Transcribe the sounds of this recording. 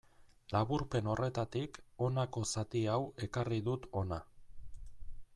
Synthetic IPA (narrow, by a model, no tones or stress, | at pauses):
laβuɾpe̞no̞re̞t̪at̪iko̞nako̞sat̪iawe̞kariðut̪o̞na